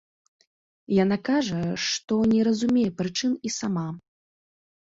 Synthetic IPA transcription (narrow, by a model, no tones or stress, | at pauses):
janakaʐɐʂt̪ɔnʲɛɾɐzumʲɛjɛpɾɨt͡ʂɨnisama